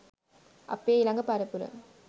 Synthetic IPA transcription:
ʔɐ̰pːeːilɐŋɡɐpɐɾɐpuɾɐ̰ŋ

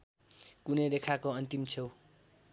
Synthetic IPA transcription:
kuneɾekʰakoʌnt̪imt͡sʰew

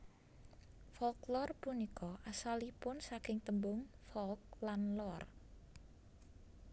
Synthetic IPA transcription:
fɔlklɔrpunikɔʔasalipʊnsakɪŋt̪əmbʊŋfɔlk̚lanlɔr

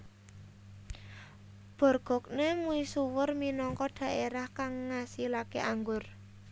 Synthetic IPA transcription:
b̥ɔ̤rɡ̥ɔ̤k̚nemuisuwərminɔŋkɔd̪̥a̤ʔeɾahkaŋːasilakeʔaŋɡʊr

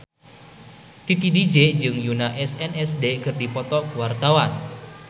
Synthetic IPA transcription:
t̪it̪idid͡ʒed͡ʒɨŋjunaʔɛsɛnɛsdekɨrdipɔt̪ɔkuwart̪awan

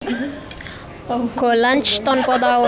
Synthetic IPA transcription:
kolant͡ʃt̪ɔnpɔd̪aw

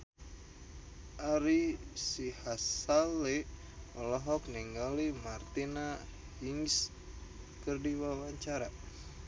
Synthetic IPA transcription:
ʔaɾisihasali | ɔlɔɦɔkniŋɡalimart̪ina | hiŋs | kərdiwawaɲt͡ʃaɾa

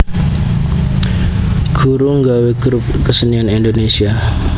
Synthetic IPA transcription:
ɡ̥uɾuŋɡaweɡɾup̚kəsənianindonesia

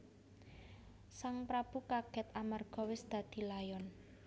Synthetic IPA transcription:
saŋpɾab̥ukaɡ̥ɛt̪amarɡ̥ɔ̤wɪsd̪̥a̤d̪̥i̤lajɔn

